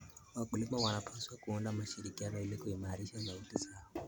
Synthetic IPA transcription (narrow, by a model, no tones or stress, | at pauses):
wakulimawanapʰaswakuundamaʃiɾikianɔilikuimaɾiʃanautisaa